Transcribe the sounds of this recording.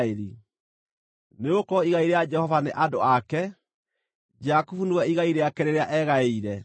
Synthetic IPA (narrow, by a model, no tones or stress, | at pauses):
eɾi | neokɔiɣaiɾead͡ʒɛhɔvaneʔadoakɛ | d͡ʒakufunewɛiɣaiɾeakɛɾeɾeaʔɛɣaeiɾɛ